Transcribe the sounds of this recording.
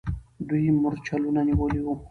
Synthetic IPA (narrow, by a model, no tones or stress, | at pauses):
d̪ujimʊɾt͡ʃalunaniwoliwu